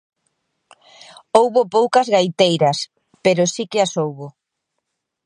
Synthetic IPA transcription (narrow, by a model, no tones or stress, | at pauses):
owβopowkɐzɣajt̪ejɾɐs | peɾʊsikɪasowβo